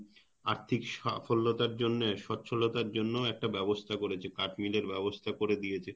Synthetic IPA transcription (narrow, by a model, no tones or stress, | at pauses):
aɾt̪ʰikʃafolːot̪aɾd͡ʑonːeʃɔtːɕʰolot̪aɾd͡ʑonːooɛk̚ʈabɛbost̪ʰakoɾet͡ɕʰekaʈmileɾbɛbost̪ʰakoɾed̪ijet͡ɕʰe